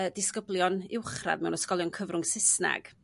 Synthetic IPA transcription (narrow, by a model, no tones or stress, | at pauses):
ədɪskəblˠjɔnɪwχra̰dmɛ̰wnəskɔlˠjɔnkʰəvrʊŋsɪsna̰ɡ̥